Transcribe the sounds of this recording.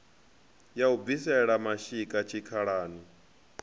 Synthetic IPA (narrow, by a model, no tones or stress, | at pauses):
jaub̪visɛɺamaʃikʼat͡ʃʰikʰaɺaːni